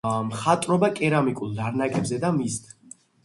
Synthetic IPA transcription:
mχat̪ʼɾɔbakʼɛɾamikʼulˠd̪aɾnakʼɛbzɛd̪amist̪ʰ

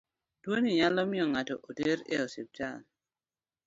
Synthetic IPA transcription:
dwoniɲalɔmɪɔŋatɔ̰ʔodeɾḛosip̚t͡ʃa̰n

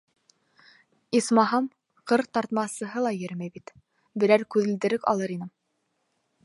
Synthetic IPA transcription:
ismɑɦɑm | qɤɾt̪ɑɾt̪mɑsɤ̆ɦɤlˠɑjɘɾmæjbit̪ | bɘ̆ɾæɾkʉðɘ̆ld̪ɘ̆ɾɘkɑ̰lˠɤɾinɘm

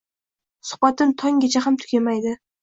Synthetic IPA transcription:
sʊ̥χbat̪ɪnt̪ʰɒŋɡʲat͡ʃʰaɦamt̪ʰʊ̥kʲʰamajd̪ɪ

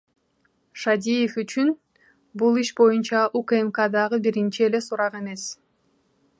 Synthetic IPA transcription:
ʃad̪ʲijefyt͡ʃyn | bulˠiʃbo̞junt͡ʃɑʔukemkad̪ɑʁɯbiɾint͡ʃiele̞suɾɑqe̞me̞s

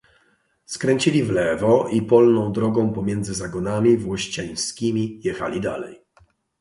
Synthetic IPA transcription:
skɾɛɲt͡ɕilʲivlɛvɔʔipɔlnɔ̃w̃d̪ɾɔɡɔ̃w̃pɔmʲjɛnd̪zɘzaɡɔnamʲivwɔɕt͡ɕaj̃skʲimʲijɛxa̰lʲid̪alɛ̰j

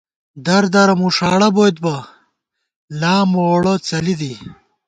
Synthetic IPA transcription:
d̪ɐɾd̪ɐɾɐmuʂaːɽɐbot̪̚bɐ | laːmoɽot͡sɐlid̪i

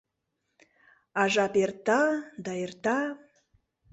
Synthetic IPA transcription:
ɑʒɑpert̪ɑd̪ɑert̪ɑ

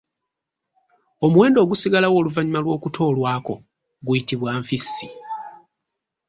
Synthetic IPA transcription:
omuwe̞ːndo̞ːɡusiɡalawo̞ːluvaɲimalwo̞ːkutʰo̞ːlwaːko̞ | ɡujitiβwaːɱfisːi

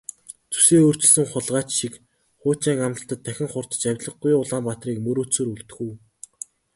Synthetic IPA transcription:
t͡su̥seːoːr̥t͡ɕɪ̆ɮsɘ̆ŋχʊɮʁaːt͡ɕʃik | χʊːt͡ɕiːŋamə̆ɬt̪ə̆t̪ʰːæxʲɪ̆ŋχʊr̥t̪̆t͡ɕæwʲɮə̆ɡ̚ɡʊjʊɮaːmpat̪riːkmɵɾoːt͡sɵ̆ːɾuɮt̪ɵ̆xuː

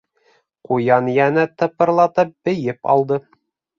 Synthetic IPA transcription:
qujɑnjænɘt̪ɤ̆pːɤ̆ɾlˠɑt̪ɤp̚b̥ɘ̆jɘpɑ̰lˠd̪ɤ

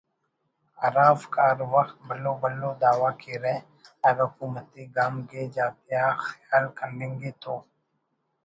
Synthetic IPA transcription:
aɾaːvkaːɾwɐxt̪̚bɐloːbɐlːoːd̪aːwaːkiɾɛ | ɐɾʊkuːmət̪iɡaːmked͡ʒaːt̪jaxjaːlkənɖẽːŋɡit̪ʰoː

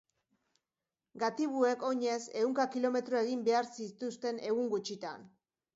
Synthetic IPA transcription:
ɡat̪iβue̞ko̞ɲe̞se̞wŋkakilo̞me̞t̪ɾoe̞ɣimbe̞aɾsit̪ust̪e̞ne̞ɣuŋɡut͡ʃit̪a̰n

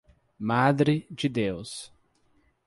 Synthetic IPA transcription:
mad̪ɾɪd͡ʒɪd̪ews

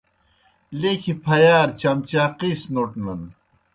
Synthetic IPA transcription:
lekʰipʰɐjaːɾt͡ɕɐmt͡ɕaːqisnoʈnɐn

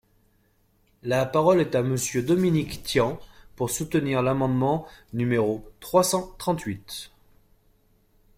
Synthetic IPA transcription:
lapaʁɔlɛt̪aməsjød̪ɔminikt̪jɑ̃puʁsut̪əniʁlamɑ̃d̪mɑ̃nymeʁot̪χwasɑ̃t̪χɑ̃t̪ɥit̪

